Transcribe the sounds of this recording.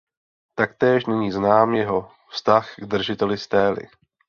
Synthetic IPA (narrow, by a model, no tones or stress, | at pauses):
t̪ak̚t̪ɛːʃnɛɲiːznaːmjɛɦo̞ | fst̪axɡd̪r̩ʒɪt̪ɛlɪst̪ɛːlɪ̰